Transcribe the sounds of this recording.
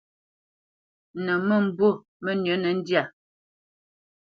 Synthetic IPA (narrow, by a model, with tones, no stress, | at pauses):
nə˨mə˦m̩˨˦bwo˦˨ | mə˦nə˨˦nə˨n̩˦dja˦˨